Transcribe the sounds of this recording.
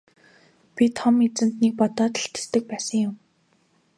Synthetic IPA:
pʲit̪χɔmit͡sɘ̆n̥t̪niːk̚pɔt̪ɔːt̪ə̆ɬt̪e̥st̪ɘ̆k̚pæːsə̆ŋjʊm

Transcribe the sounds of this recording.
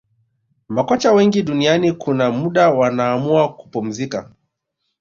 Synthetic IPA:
makɔt͡ʃawɛŋɡiɗunianikʰunamuɗawanaːmuaku̥pum̩zika

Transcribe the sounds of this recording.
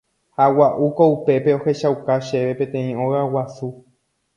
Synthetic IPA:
hawaʔukoupe̞pe̞o̞he̞ʃawkaʃe̞ʋe̞pẽt̪ẽĩõɣawasu

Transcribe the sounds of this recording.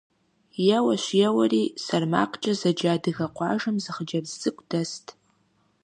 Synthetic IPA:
jɛwɐʃʷjɛwɐriːsɐrma̰ːqʰʼt͡ʃʼɐzɐd͡ʒaːdɨɣɐqʷɑ̰ːʒɨmzɨχəd͡ʒɐbzzʼɨkʷʼd̥ɐstʰʼ

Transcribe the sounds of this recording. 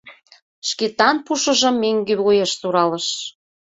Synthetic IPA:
ʃket̪ɑnpuʃə̆ʒə̆mːeŋɡeβojeʃsuɾɑlə̆ʃ

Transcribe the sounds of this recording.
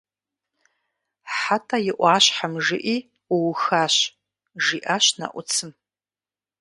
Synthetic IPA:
ħatʰʼajɪʔʷaːʃħamʐɪʔi | uwxaɕ | ʐiʔaʃna̰ʔʷʊt͡sʰɨm

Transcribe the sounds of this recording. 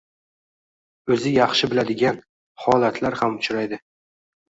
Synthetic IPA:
ɵzɪjɑχʃɪbɪlad̪ɪɡʲan | hɒlat̪ʰlaɾhamʊt͡ʃʰɾajd̪ɪ

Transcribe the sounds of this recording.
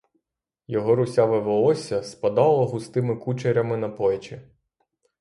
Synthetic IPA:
jɔɦɔɾʊsʲaʋɪʋɔlˠɔsʲɐspɐd̪ɑlˠɐɦʊst̪ɪmɪkut͡ʃeɾʲɐmɪnɐpɔjɛt͡ʃi

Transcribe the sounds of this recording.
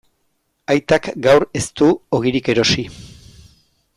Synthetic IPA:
ajt̪akɡawre̞st̪uo̞ɣ̞iɾike̞ɾo̞si

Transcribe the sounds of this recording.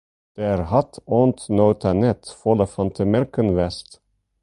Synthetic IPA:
d̪̥eæɾhɑt̪ɔnt̪noːt̪ʰanɛt̪fɔləfɑnt̪ʰəmɛɾkənvɛst̪

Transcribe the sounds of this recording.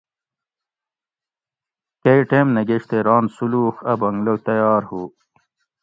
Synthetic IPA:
kejʈemnɐɡeʂt̪eɾɑːnsuluːxɐbɐŋɡlot̪ɐjɑːɾhuː

